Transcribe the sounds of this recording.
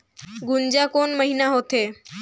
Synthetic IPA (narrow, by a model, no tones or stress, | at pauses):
ɡund͡ʑakonməɦinaɦot̪e